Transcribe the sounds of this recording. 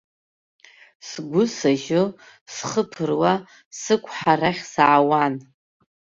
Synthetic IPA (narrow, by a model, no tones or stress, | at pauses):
sɡʷʊsaʒo | sχəpʰɨrwa | sɨkʷʰʼħaɾaχʲsaʕawan